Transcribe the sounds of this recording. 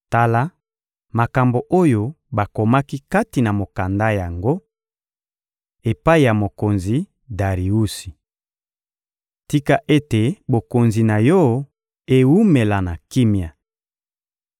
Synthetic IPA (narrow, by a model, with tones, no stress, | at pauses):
ta˦la˦ | ma˨ka˨mbo˨ʔo˦jo˦ | ba˨ko˨ma˦ki˦ka˦ti˨na˨mo˨ka˨nda˦ja˨ŋɡo˦ | e˨pa˦i˨ja˨mo˨ko˨nzi˨ | da˨ʁi˨u˦si˨ | ti˦ka˦ʔe˦te˨bo˨ko˨nzi˨na˨jɔ˦ | e˨wu˦me˨la˨na˨ki˦mja˨